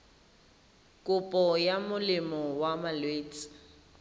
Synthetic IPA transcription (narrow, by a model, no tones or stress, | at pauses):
kʼʊpʼɔjamʊlɪmɔwamalweːt͡sʼi̥